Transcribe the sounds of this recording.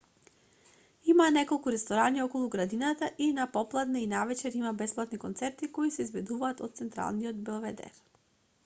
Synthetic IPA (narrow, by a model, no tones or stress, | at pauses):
imanɛkolˠkuɾɛst̪ɔɾaniɔkɔlˠuɡɾad̪inat̪aʔinapɔplˠad̪nainavɛt͡ʃɛɾimabɛsplˠat̪nikɔnt̪sɛɾt̪ikɔisɛizbɛd̪uvaːt̪ɔt̪̚t̪sɛnt̪ɾa̰lˠniɔd̪bɛlˠvɛd̪ɛ̰ɾ